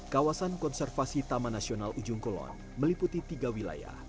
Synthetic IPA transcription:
kawasankɔnsɛrfasit̪amanasionalʔud͡ʒʊŋkolɔ̰n | məliput̪it̪iɡawila̰ja̰h

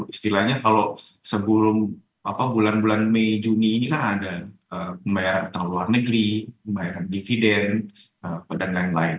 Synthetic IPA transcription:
ist̪ilahɲakalosəbulʊm | apabulanbulanmed͡ʒuniːnikanadaəəmbajaɾant̪aŋluarnəɡɾiəmbajaɾandifidɛn | əpədanlaɪnla̰ɪn

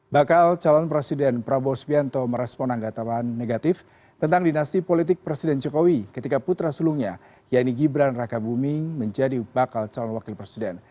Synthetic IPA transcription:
bakalt͡ʃalɔnpɾesidɛnpɾabɔsbiant̪ɔməɾɛspɔnaŋɡat̪awanːeɡat̪ɪf | t̪ənt̪aŋdinast̪ipolit̪̬ɪk̚pɾesidɛnd͡ʒɔkowikət̪ikaput̪ɾasuluŋɲa | jaʔniɡibɾanrakabumɪŋməɲd͡ʒadibakalt͡ʃalɔnwakɪlpɾesidɛn

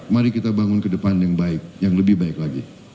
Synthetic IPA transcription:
maɾikit̪abaŋʊnkədəpanjaŋbaɪk̚jaŋləbɪhbaɪklaɡi

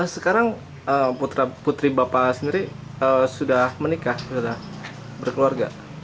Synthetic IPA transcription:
əsəkaɾaŋ | əput̪ɾaput̪ɾibapasəndiɾi | əsudahmənikahsudah | bərkəluarɡa̰

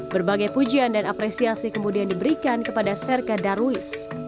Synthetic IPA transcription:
bərbaɡajpud͡ʒiandanapɾɛsiasikəmudiandibəɾikankəpadasɛrkadaɾuɪs

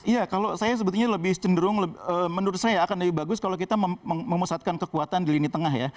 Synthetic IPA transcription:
ijakalosajas̬əbət̪uɲaləbɪht͡ʃəndəɾʊŋləbəːmənuɾʊt̪̚sajaːkanləbɪhbaɡʊskalokit̪aməəməmusat̪̚kankəkuat̪andilinit̪əŋahja

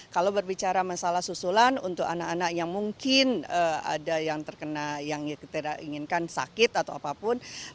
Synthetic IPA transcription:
kalawbərbit͡ʃaɾamasalahsusulanunt̪ʊkanakanakjaŋmuŋkɪnəa̰dajaŋt̪ərkənajaŋkit̪idaiŋɪnkansa̰kɪt̪at̪awapapʊn

